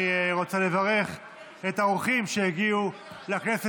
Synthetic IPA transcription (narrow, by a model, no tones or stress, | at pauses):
ʁo̞t͡sale̞vaʁe̞χ | etaoχimʃejiɡiu | lakne̞se